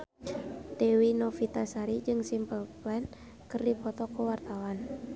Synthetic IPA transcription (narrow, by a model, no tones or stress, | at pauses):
dɛwinɔfit̪asaɾid͡ʒɨŋsimpəlplɛn | kɨrdipɔt̪ɔkuwart̪awan